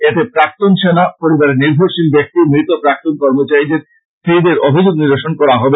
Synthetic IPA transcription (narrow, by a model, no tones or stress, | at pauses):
et̪epɾak̚t̪onʃenapoɾibaɾeniɾbʱoɾʃilbek̚t̪imɾit̪opɾak̚t̪onkɔɾmot͡ɕaid͡ʑeɾ | t̪ɾid̪eɾobʱid͡ʑoɡniɾd̪eʃonkɔɾaɦɔbe